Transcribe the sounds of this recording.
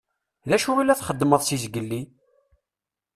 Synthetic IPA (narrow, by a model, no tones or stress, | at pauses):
ðæʃuwilːæθχəd̪ːməðˤsizɡəlːi